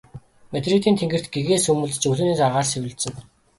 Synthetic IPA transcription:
met̪rit̪iːnt̪ʰeŋɡɘ̆r̥t̪ɡeɣeːsɵmɘ̆ɮt͡ɕɵɮɘ̆niːsaʁaːrsewɘ̆ɮt̪sɘ̆ŋ

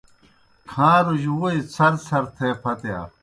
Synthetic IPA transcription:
kʰãːɾuʑuit͡sʰɐɾsɐɾt̪ʰeːpʰɐt̪eja̰ː

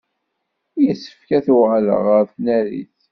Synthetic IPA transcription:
jəsːə̥fkæθuʁlə̰ʁəɾθnæɾḭθ

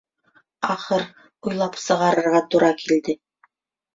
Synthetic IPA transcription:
ɑχɤɾ | ujlˠɑpsɤ̆ʁɑɾɤ̆ɾʁɑt̪uɾɑkild̪ɘ

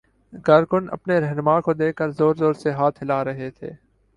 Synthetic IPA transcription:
kaːɾkʊnɐ̰pneɾɛɦnʊmaːkod̪eːkːəɾzoːɾzoːɾseɦaːt̪ʰɦɪlaɾɐɦet̪ʰḛː

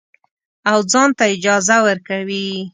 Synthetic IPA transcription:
awd͡zɑnt̪aɪd͡ʒɑzawəɾkawi

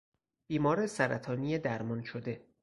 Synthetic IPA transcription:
b̥iːmɒːɾesæɾæt̪ʰɒːniːjed̪æɾmɒnʃod̪e̞

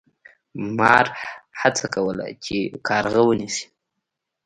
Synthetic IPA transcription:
mɑɾhat͡sakawəla̰t͡ʃekʰɑɾɣawənisi̥

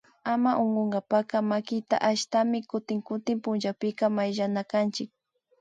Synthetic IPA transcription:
amaʔoɴɢoɴɢapaqɑmakɪt̪a̰ʔaʃt̪amɪkʊt̪ɪŋkʊt̪ɪmpʊnʒawpɪkɑmajʒanakant͡ʃɪk̚

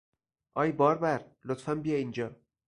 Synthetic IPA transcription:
ʔɒːjbɒːɾbæɾlot̪fæmbijɒind͡ʒɒː

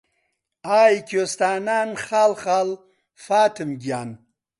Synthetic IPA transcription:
aːjkost̪aːnaːnxaːlχaːl | faːt̪ʰimɡjaːn

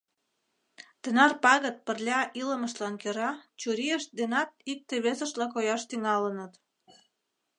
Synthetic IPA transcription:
t̪ə̆nɑrpɑɣə̆t̪̚pə̆rlʲɑʔilə̆mə̆ʃtlɑnkøɾɑt͡ɕuɾijəʃd̪enɑt̪̚ik̚t̪eβesə̆ʃlɑkojɑʃt̪yŋɑlənə̆t̪

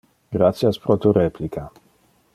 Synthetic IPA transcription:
ɡɾat̪sjaspɾot̪uɾeplikʰa

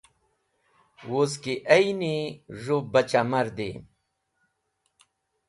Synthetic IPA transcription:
woskiʔɐiniʐubɐt͡ɕamɐɾd̪ḛː

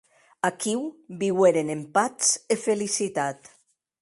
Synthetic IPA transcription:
akiwbiweɾenempat͡sefelisit̪at̪

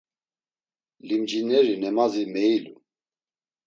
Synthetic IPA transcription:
limd͡ʒinɛɾinɛmazimɛilṵ

